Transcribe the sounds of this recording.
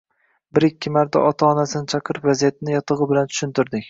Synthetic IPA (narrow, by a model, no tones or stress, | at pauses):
bɪɾɪkʲːɪmaɾt̪ʰa̰ʔɒt̪ʰaɒnasɪnɪt͡ʃʰɑqʰɨɾɪpvazijat̪ʰɪnɪjɒt̪ʰɨʁɨbɪlant̪ʰʊ̥ʃɪnt̪ɪɾd̪ɪkʲ